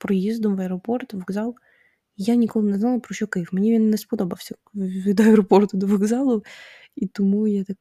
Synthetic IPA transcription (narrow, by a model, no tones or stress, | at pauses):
pɾɔjezd̪ʊmvɐɛɾɐport̪vɐɡzalˠ | janʲɪkolˠnʲɪznalˠpɾɔɕokɐfmnʲevʲinnːəspɐd̪obɐfsʲd̪ɾɐport̪ʊd̪ɐvɐɡzalˠʊ | it̪ʊmujat̪ak